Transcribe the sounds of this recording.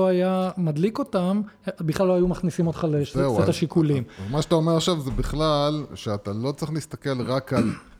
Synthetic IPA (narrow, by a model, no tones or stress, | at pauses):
oajamad̪liko̞tambiχlalːoajumaχnisimo̞t̪χaleʃeet̪aʃikulimmaʃat̪aomeaʃavzebiχlalʃeat̪alo̞t͡sʁiχlist̪ake̞lʁakal